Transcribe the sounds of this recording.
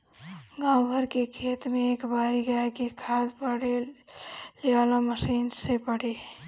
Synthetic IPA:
ɡãːwbʱəɾkekʰeːt̪mẽeːkbaːɾiɡaakikʰaːd̪pəɽe | leaːlaməsiːnsepəɽe

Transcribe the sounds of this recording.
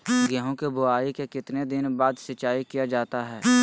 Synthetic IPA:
ɡɛɦõkebʊaːikekɪt̪ned̪ɪnbaːd̪sɐt͡ʃaːikijad͡ʒaːt̪aɦɛː

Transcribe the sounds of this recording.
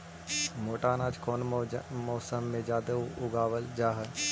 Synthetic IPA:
moːʈaːnaːd͡ʒkʰoːnmɔːsəmːẽd͡ʒaːd̪əʊɡaːʋəld͡ʒaːɦə

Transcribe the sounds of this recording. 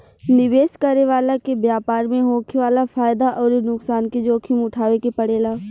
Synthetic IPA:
nɪʋeːskəɾeʋaːlakebjaːpaːɾmẽɦoːkʰiʋaːlafaːjd̪aʔɔːɾnʊksaːnked͡ʒoːkʰimʊʈʰaːʋekepɐɽeːlaː

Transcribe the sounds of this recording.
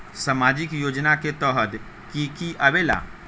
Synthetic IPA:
samaːd͡ʒɪkjoːd͡ʒnaket̪ɔːɦəd̪ | kikiʔəʋeːla̰

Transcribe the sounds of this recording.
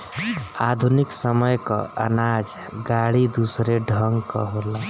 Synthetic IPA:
ad̪ʱuniksəməjkɔ̰ə̰nad͡ʒ | ɡaɽid̪usɾeɖʱəŋɡkɔ̰ɦola

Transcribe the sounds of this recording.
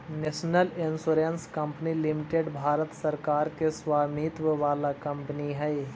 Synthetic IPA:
neːʃnəlɪnsuːɾenskɐ̃mpnilɪmɪʈeɖbʱaːɾət̪sɐɾkaːɾkesʋaːmit̪ʋəʋaːlakɐ̃mpəniɦɛe

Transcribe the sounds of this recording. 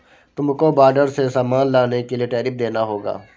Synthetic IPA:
t̪ʊmkoːbaːɖəɾsesaːmaːnlaːnekeliːʈɛːɾɪp̚d̪eːnaːɦoːɡa̰ː

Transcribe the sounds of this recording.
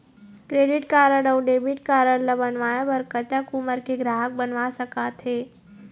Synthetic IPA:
kɾeːɖɪʈkaːɾəɽɔwɖeːbɪʈkaːɾəɽləbənʋaːjabəɾkət̪akuməɾkeɡɾaːɦək̚bənʋasɐkat̪ʰɦeː

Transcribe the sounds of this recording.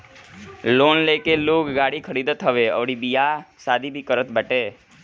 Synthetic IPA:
loːnleːkeloːkɡaːɽikʰəɾid̪ət̪ɦəʋeə̰ʋɽibijasaːd̪ʱibʱikəɾət̪bəːʈeː

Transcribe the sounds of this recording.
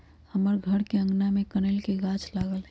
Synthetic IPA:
həməɾɡʱəɽkeə̃ŋɡnamẽkənelkeɡaːt͡ʃlaːɡəlɦɛ

